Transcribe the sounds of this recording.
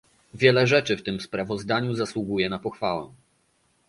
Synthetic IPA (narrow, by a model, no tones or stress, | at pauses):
vʲjɛlɛʐɛt͡ʂɘft̪ɘmspɾavɔzd̪aɲuzaswuɡujɛnapɔxfawɛ̰̃